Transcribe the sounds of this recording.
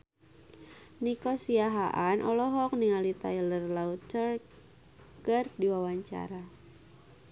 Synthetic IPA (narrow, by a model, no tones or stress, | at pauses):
nikɔsiaɦaʔanʔɔlɔɦɔk̚niŋalit̪ailərlaut̪t͡ʃər | kɨrdiwawaɲt͡ʃa̰ɾa